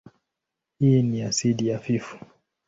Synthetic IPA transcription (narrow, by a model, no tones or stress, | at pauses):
hiniasiɗijafifu̥